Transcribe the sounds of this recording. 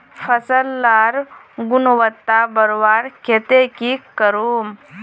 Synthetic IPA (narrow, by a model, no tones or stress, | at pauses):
fʰəsəlːaɾ | ɡunʋət̪ːabəɾʋaɾkʰet̪ekikəɾum